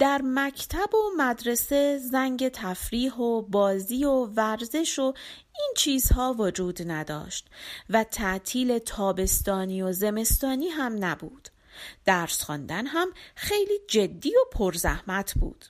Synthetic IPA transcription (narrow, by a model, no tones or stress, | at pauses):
d̪̥æɾmæcʰt̪ʰæbo̞mæd̪ɾe̞se̞zæŋɟe̞t̪ʰæfɾiːɦobɒːziːo̞væɾze̞ʃo̞ | int͡ʃʰiːz̥hɒːvod͡ʒuːd̪næd̪ɒ̰ːʃt̪væt̪ʰæʔt̪ʰiːle̞t̪ʰɒːbe̞st̪ɒːniːoze̞me̞st̪ɒːniːɦæmnæbuːd̪̥ | d̪̥æːɾsχɔ̰ːnd̪ænɦæmxe̞jliːd͡ʒe̞d̪ːiːo̞pʰo̞ɾzæ̰hmæt̪ʰb̥ṵːd̪̥